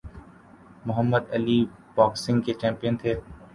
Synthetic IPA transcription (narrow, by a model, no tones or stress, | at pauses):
mʊɦəmːəd̪ɐlibɔːksɪ̃ŋɡket͡ʃɛ̃ːmpijənt̪ʰeː